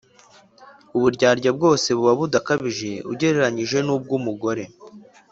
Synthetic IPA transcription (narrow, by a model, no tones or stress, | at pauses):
uβuɾɟaːɾɟab̚ɡo̞ːse̞βuβaβudakaβiʒe̞ṵɟe̞ɾe̞ɾaɲiʒe̞nuːb̚ɡumuɡo̞ɾe̞